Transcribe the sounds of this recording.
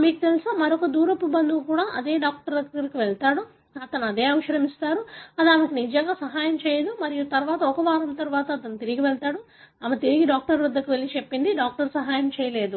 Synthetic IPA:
miːkut̪elisaːmɐɾɔkɐd̪uːɾɐpːubɐnd̪ukkuːɽaːʔɐd̪e̞ːɖaːk̚ʈɐɾɐɡɐɡɐɾikiʋɛɭt̪aːɽu | ɐt̪ɐnuɐd̪e̞ːɐʋɐʃɐɾɐmist̪aːɾuɐd̪iɐmɐkinid͡ʒɐŋɡaːsɐɦaːjɐmt͡ʃɛːjɐd̪umɐɾijut̪ɐɾʋaːt̪ɐɔkɐʋaːɾɐmt̪ɐɾʋaːt̪ɐːt̪ɐnːut̪iɾiɡiʋɛɭt̪aːɽu | ɐmɐt̪iɾiɡiɖaːk̚ʈɐɾʋɐd̪ːɐkiʋelit͡ʃepːind̪iɖaːk̚ʈɐɾsɐɦaːjɐmt͡ʃɛːjɐle̞ːd̪u

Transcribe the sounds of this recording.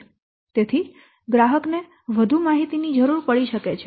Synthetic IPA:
t̪et̪ʰi | ɡɾaɦəkne | ʋəd̪ʱumaɦit̪inid͡ʒəɾuɾpəɭiʃəket͡ʃʰe

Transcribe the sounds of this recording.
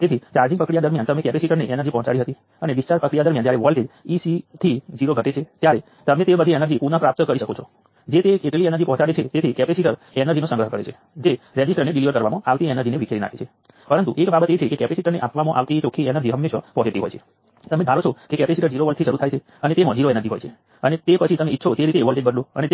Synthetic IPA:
t̪et̪ʰit͡ʃaɾd͡ʒiɡpəkɽijad̪əɾmjant̪əmẽkɛpesiʈəɾneʔɛnəɾd͡ʒipɔ̃ɦɔ̃t͡ʃaɽiɦət̪i | əneʋist͡ʃaɾpəkɽijad̪əɾmjand͡ʒjaɾeʋəlɖed͡ʒisit̪ʰid͡ʒiɾoɡʱəʈet͡ʃʰet̪jaɾe | t̪əmẽt̪ebəd̪ʱienəɾd͡ʒipunə̃pɾap̚t̪əkəɾiʃəkot͡ʃʰo | d͡ʒet̪eeʈliɛnəɾd͡ʒipɔɦɔ̃t͡ʃaɽet͡ʃʰet̪et̪ʰikɛpesiʈəɾ | ɛnəɾd͡ʒinosə̃ŋɡɾəɦkəɾet͡ʃʰe | d͡ʒeɾɛd͡ʒisʈəɾneɖiliʋəɾkəɾʋamãaʋt̪iɛnəɾd͡ʒineʋikʰeɾina̰kʰet͡ʃʰe | pəɾənt̪ṵʔekbabət̪et͡ʃʰekekɛpesiʈəɾneʔapʋamãʔa̰ʋt̪it͡ʃokʰːiɛnəɾd͡ʒiɦəmːeʃəpɔd͡ʒeʈiɦo̰jt͡ʃʰe | t̪əmẽd̪ʱaɾot͡ʃʰokekɛpesiʈəɾd͡ʒiɾoʋəl̚t̪ʰiʃəɾut̪ʰajt͡ʃʰe | ənet̪emɔ̃d͡ʒiɾoɛnəɾd͡ʒiɦo̰jt͡ʃʰe | ənet̪epət͡ʃʰit̪əmeit̪ːʃʰot̪eɾit̪eʋəɭɖeɖbənloənet̪

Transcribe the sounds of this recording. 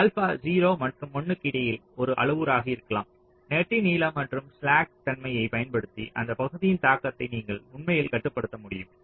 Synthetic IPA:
ɐlfaːd͡ʒiːɾoːmɐʈrɯmːɔɳːɯkːɪɽɐjɪlɔɾɯʔɐ̰ɭɯʋɯɾaːɣɐɪɾɯkːɐɭaːm | neːʈriniːlɐːmɐʈrɯmslaːk̚t̪ɐnmɐjɐɪpɐjɐnpɐɽɯt̪ːiʔɐ̰nd̪ɐpɐɣɯðɪjɪnt̪aːkːɐt̪ːɐɪniːŋɡɐɭʊɳmɐjɪlkɐʈːɯpːɐɽɯt̪ːɐmʊɽɪ̰jɯm

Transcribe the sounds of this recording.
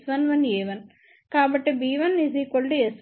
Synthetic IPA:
sʋɐnʋɐneːʋɐn | kaːbɐʈːebiːʋɐnːisikoɭɖɨes

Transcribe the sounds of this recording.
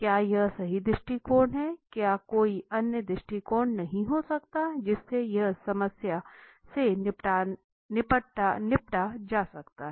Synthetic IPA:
kjaːjɐɦsɐɦid̪ɾɪʃʈikoːɳɦɛkjaːkoːiʔɐnjəd̪ɾɪʃʈikoːɳnɐɦĩɦosɐkt̪ad͡ʒɪsːejɐɦsɐməsja | seʈa | nɪpəʈanɪpʈad͡ʒaːsɐkt̪aɦɛ

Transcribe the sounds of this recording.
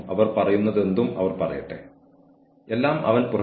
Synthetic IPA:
ɐʋɐrpɐrɐjunːɐðe̞nd̪umɐ̰ʋɐrpɐrɐ̰jḭʈːḛ | e̞lːaːmʔɐ̰ʋɐnpurɐ

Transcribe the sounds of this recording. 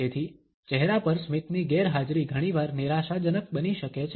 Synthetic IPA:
et̪ʰi | t͡ʃɛɦɾapəɾsmit̪niɡeɾɦad͡ʒɾiɡʱəɽ̃iʋaɾniɾaʃad͡ʒənək̚bəniʃəket͡ʃʰ

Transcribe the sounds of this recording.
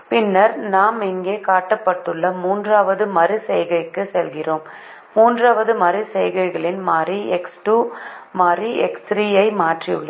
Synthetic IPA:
pɪnːɐɾnaːmɪŋɡeːkaːʈːɐpːɐʈːɯɭːɐmuːndraːʋɐðɯmɐɾɯsɛjɣɐɪkːɯsɛlɣɪroːmː | uːndraːʋɐðɯmɐɾɯsɛjɣɐɪɣɐɭɪnmaːriɛksʈuːmaːriɛksɾiːɐɪmaːʈriɯɭːɐ

